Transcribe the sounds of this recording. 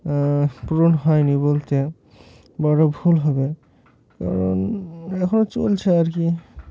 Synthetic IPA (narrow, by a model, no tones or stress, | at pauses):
puɾonɦɔjnibolt̪e | bɔɽobʱulɦɔbe | ka̰ɾonɛkʰonot͡ɕo̰lt͡ɕʰeaɾki